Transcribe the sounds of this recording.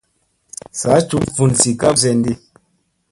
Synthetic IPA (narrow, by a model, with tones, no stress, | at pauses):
sa˨˦t͡ʃu˨˦mfu˨nsi˨ka˦p̚s̬ɛ˦˨n˦di˦